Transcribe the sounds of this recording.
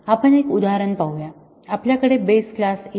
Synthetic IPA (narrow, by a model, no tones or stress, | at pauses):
apəɳekud̪aɦɾəɳpawja | apljakəɽebesklase